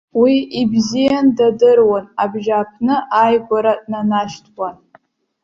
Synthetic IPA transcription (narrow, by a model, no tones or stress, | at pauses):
wiʔibzijandadɨrwanabʒapʰnɨʔajɡʷaɾadnanaʃtʰwan